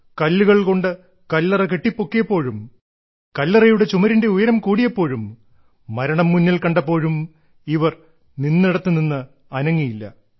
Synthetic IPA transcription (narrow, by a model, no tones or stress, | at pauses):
kɐlːuɣɐɭko̞ɳɖɨ | kɐlːɐrɐke̞ʈːipːo̞kːijɐpːo̞ːɻum | kɐlːɐrɐjuɽe̞t͡ɕumɐɾinde̞ujɐɾɐmkuːɽijɐpːo̞ːɻumː | ɐɾɐɳɐmːunːɐlkɐɳɖɐpːo̞ːɻum | iʋɐr | ninːiɽɐt̪ːɨninːɨ | ɐnɐŋːijilːɐ̰